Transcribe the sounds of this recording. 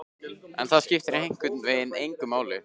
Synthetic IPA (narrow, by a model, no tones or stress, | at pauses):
ɛ̰nθaðscɪft̪ɪɾejŋ̥kwɪt̪nvɪðɪnejŋkʏmaːwlɪ